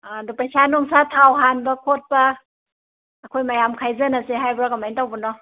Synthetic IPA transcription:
dupɾajsanoŋsatʰawɦanbɐkʰot̚pɐ | kʰojmajamkʰajzɯnaseɦajbɾakamajntawbɔnɔ

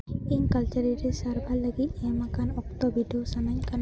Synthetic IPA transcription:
iŋkalt͡ʃaɾiɾisarbalːaɡiijamakanɔk̚t̪ɔbideosanaɲkan

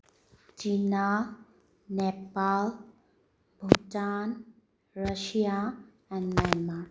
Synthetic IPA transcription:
t͡ʃina | nepal | bʱuʈan | ɾəʃija | ɛ̃nɖmɛlma

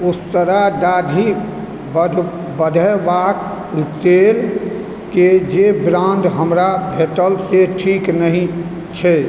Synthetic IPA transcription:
ʊst̪əɾad̪aːd̪ʱi | b | bəd̪ʱəbak | t̪el | ked͡ʒebɾãnd̪ɦəmɾabʱeʈəlseʈʰiknəɦĩ | t͡ʃʰɛ

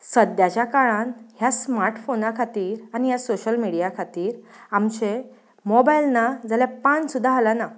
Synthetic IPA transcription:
səd̪jat͡ɕjakaɭãnɦjasmaɾʈfonakʰat̪iːɾaɽ̃ijasoɕəlmiɽijakʰat̪iːɾ | amt͡ɕe | mɔbailnad͡zaljapansud̪ʱːaɦalana

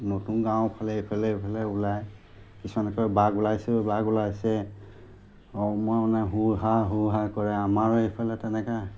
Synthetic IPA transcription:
notunɡãwpʰalɛɦepʰalɛepʰalɛulaj | kisumanɛkɔjbaɡulajsɛbaɡulajsɛ | ɔmɔmanɛɦuɹɦaɦuɦakɔɹɛamaɹepʰalɛtɛnɛka

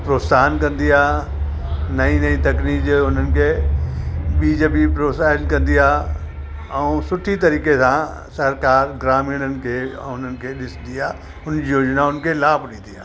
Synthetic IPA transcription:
pɾoːt̪saːnkɐ̃nd̪ijaː | nɐĩnɐĩt̪ɐkniːkd͡ʑʊn̤ənɪ̆kʰe | ɓiːd͡ʒepipɾoːsaːdkɐ̃nd̪ijaː | ɛũsʊʈʰit̪ɐɾiːkesã | sɐɾkaːɾɡɾaːmiːɽ̃ənɪ̆kʰeʊn̤ənɪ̆kʰeɗɪsd̪ijaː | ʊnijoːd͡ʒnaʊnkʰelaːbʱnĩːd̪ijaː

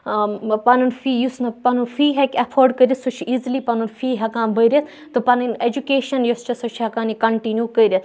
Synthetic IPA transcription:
panunfiːjusnɐpanunfiːɦɐkʲɐfʰoːɾɖkɐɾʲisot͡ʃʰiizlipɐnunfiːɦɐkãːnbɐiɾʲɐt̪ʰ | t̪upanined͡ʒukeːʃɐnjost͡ʃɐsot͡ʃʰɦɐkaːnikɐɳʈinjuːkɐiɾʲɐt̪

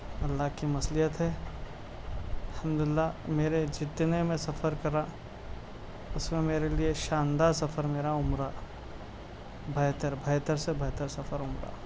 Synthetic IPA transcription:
ɐlːaɦkimɐslijət̪ɦɛː | ɐlhɐmd̪ʊlɪlːameːɾed͡ʒɪt̪nemẽsɐfəɾkɐɾa | ʊsmẽmeːɾelieʃãːnd̪aɾsɐfʰəɾmeːɾaʊmɾa | bʱɐːt̪əɾbʱɐːt̪əɾsebʱɐːt̪əɾsɐfʰəɾʊmɾa̰

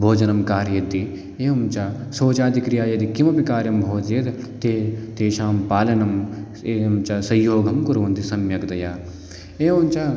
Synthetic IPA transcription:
bʱoːd͡ʒɐnɐmkaːɾjɐd̪i | eːɐmt͡ʃasoːt͡ʃaːd̪ikɾijaːjɐd̪ikimɐpikaːɾjɐmbʱoːd͡ʒjet̪ | t̪et̪eːʃaːmpaːlɐnɐm | eːmt͡ʃasɐjːoːɡʱɐmkuɾuʋɐnt̪isɐmjɐkd̪ɐjaː | eːʋɐmt͡ʃa

